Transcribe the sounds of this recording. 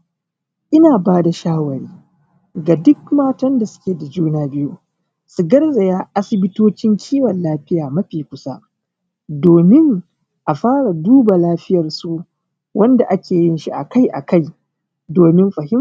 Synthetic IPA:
ʔɪ˦naː˨baː˦da˨ʃaː˦wɐ˨ɽiː˦ | ɡa˨dʊ˦k̚maː˦tɐ˦nda˨sʊ̥˦kʲeː˨da˨d͡ʒuː˦naː˦bɪ˦ju˦ | su˨ɡɐ˦rza˨jaː˦ʔa˦sɪ˨bɪ˦toː˦t͡ʃɪ˦ŋkʲʰiː˦wɐ˨nlaː˦ɸɪ˦jaː˨mɐ˦ɸiː˨kʷʊ˦sa˦ | doː˨mɪ˦ŋ | ʔa˨ɸaː˦ɽa˨duː˦ba˨laː˦ɸɪ˦jɐ˨rsu˨ | wʔɐ˦nda˨ʔa˦kʲeː˨jɪ˦nʃi˦ʔa̰˨ka˦jʔa̰˨ka˦j | doː˨mɪ˦mɸɐ˨hɪ˦m

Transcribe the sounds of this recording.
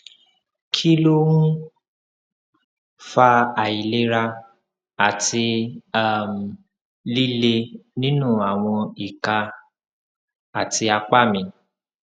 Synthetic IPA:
kʰi˦lo˦wũ˦ | fa˧a˨i˨le˧ɾa˧ | a˨ti˧a˦˨m̩˨ | li˦le˧nĩ˦nũ˦˨a˨w̃ɔ̃˧i˨ka˧ | a˨ti˧a˧k͡pa˦˨mĩ˧

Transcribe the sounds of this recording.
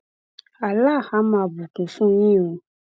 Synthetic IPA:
a˨la˦˨ha˨˦mã˧˨bũ˨tũ˨sũ˦jĩ˦˨ũ˧

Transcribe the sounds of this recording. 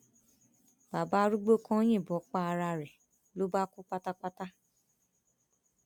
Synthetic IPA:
ba˨ba˦ɾu˦ɡ͡bo˦kã˦j̃ĩ˦˨bɔ˨˦k͡pa˦a˧ɾa˧ɾɛ˨ | lo˦ba˦kũ˦k͡pa˦ta˦k͡pa˦ta˦

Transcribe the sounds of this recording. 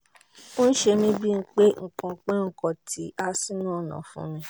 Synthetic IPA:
o˦n̩˦ʃe˧mĩ˦bi˦ŋ̩˦k͡pe˦ŋ̩˨kã˨˧k͡pɛ̃˦ŋ̩˨kɔ̃˨tʰi˨˦a˦si˦nũ˦˨nã̰˨fṵ̃˦mĩ˦

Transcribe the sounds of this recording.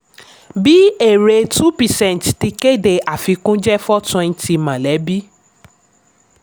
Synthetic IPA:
bi˦e˨ɾe˧tu˦pi˨sɛ̃˦˨n˨tti˧ke˦˨de˧ʔa˨fi˨˧kũ˦d͡ʒɛ˦fɔ˦tũ˧n̩˦ti˧mã˨lɛ˨˦bi˦

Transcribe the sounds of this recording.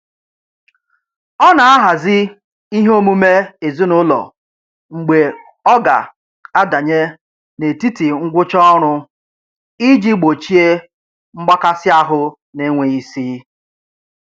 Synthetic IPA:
ɔ˦na˨a˦ɦa˨zɪ˦ | i˦ɦo˦mu˦me˦e˨zu˦nʊ˦lɔ̰˨ | ŋ͡m̩˨ɡ͡be˨ | ɔ˦ɡa̰˨ | a˦da˨ɲe˦ | ne˨ti˦ti˨ŋ̩˦ɡʷʊ˦t͡ʃɔ˦ɾ̃ʊ˦ | i˦d͡ʒi˦ɡ͡bo˨t͡ʃi˦e˦ | ŋ͡m̩˦ɡ͡ba˦ka˦sɪ˦a˦ɦʊ˦ | ne˦ŋʷe˨i˦siː˦

